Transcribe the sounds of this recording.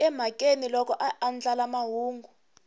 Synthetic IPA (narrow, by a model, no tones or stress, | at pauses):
ɛm̤akʼenilɔkɔʔaand͡ɮʼalamaɦuːŋɡʱu